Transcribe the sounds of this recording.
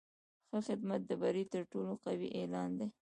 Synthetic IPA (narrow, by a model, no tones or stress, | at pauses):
xəxɪd̪mat̪̚d̪əbaɾit̪əɾʈoloqawḭʔelɑnd̪e